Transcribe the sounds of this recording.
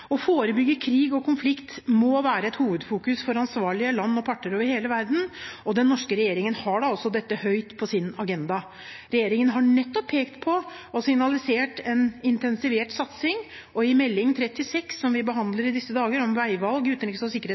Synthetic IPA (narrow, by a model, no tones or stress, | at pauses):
ɔfoːɾəbʏɡːəkʰɾiːɡɔkʰʊnflɪkt̪mɔʋæːɾəɛt̪huːʋəd̪fuːkʉsfɔɾɑnsʋɑːɭɪəlɑnːɔpʰɑʈːəɾoːʋəɾheːləʋæɾd̪n̩ɔd̪ɛnːɔʂkəɾɛjeːɾɪŋənhɑɖɑɔsːɔd̪ɛt̪ːəhœʏt̪pʰɔsɪnɑɡɛnd̪ɑ | ɾɛjeːɾɪŋənɦɑɳɛt̪ːɔpʰːeːkt̪pʰɔ | ɔsɪŋnɑlɪseːʈɛnɪnt̪ɛnsɪʋeːʈsɑt̪sɪŋ | ɔɪmɛlːɪŋt̪ʰɾɛt̪ːɪsɛksːɔmʋɪbəɦɑnd̪ləɾɪd̪ɪsːəd̪ɑːɡəɾɔmʋæɪʋɑlɡʉːt̪nlɪkːəsɔsɪkəɾe